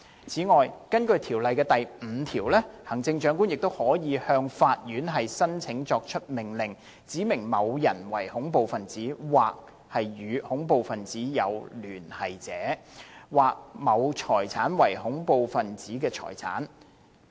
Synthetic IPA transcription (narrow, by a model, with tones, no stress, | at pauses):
t͡sʰiː˨˥ŋɔː˨jkɐ˥nkɵ˧ɥt̪ʰiː˨˩wlɐ˨jkɛː˧t̪ɐ˨jm̩ː˨˧t̪ʰiː˨˩wlɛː˥hɐ˨˩ŋt͡sɪ˧ŋt͡ʃœː˨˥ŋkuː˥njɪ˨k̚t̪o˥whɔː˨˥jiː˨˧hœː˧ŋfaː˧t̚jyː˨˥nɦɐ˨jsɐ˥nt͡sʰɪ˨˥ŋt͡sɔː˧k̚t͡ʃʰɵ˥t̚mɪ˨˩ŋlɪ˨˩ŋ | t͡siː˨˥mɪ˨˩ŋmɐ˨˧wjɐ˨˩nwɐ̰˨˩jhʊ˨˥ŋpo˨wfɐ˨nt͡siː˨˥waː˨k̚ | hɐ˨jjyː˨˧hʊ˨˥ŋpo˨wfɐ˨nt͡siː˨˥jɐ˨˧wlyː˨˩nhɐ˨jt͡sɛː˨˥waː˨k̚mɐ˨˧wt͡ʃʰɔː˨˩jt͡sʰaː˨˥nwɐ˨˩jhʊ˨˥ŋpo˨wfɐ˨nt͡siː˨˥kɛː˧t͡ʃʰɔ̰ː˨˩jt͡sʰa̰ː˨˥n